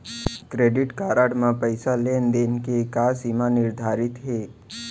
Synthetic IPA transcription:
kɾeːɖɪʈkaːɾaɽmãpəɪsaleːnd̪enkekaːsimanɪɾd̪ʱaːɾɪt̪ɦeː

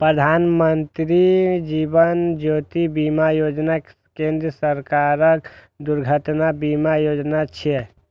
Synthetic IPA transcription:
pɾəd̪ʱanmənt̪ɾid͡ʒibənd͡ʒot̪ibimajod͡ʒna | kẽnd̪ɾəsəɾkaɾək | d̪uɾɡʱət̪nabimajod͡ʒnat͡ʃʰe

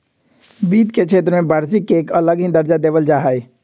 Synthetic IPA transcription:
biːd̪kekʰeːt̪ɾəmẽbaːɾsikːeːkələɡɦĩd̪əɾd͡ʒad̪eːʋəld͡ʒaːɦae

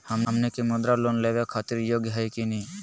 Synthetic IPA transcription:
həməmnekemʊd̪ɾaloːnleːʋekʰaːt̪ɪɾjoːɡjəɦajkini

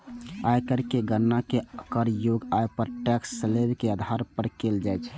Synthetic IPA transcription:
ajkəɾkeɡəːakeəkəɾjoɡajpəɾʈɛksːəlebkeəd̪ʱaɾpəɾkeld͡ʒajt͡ʃʰ

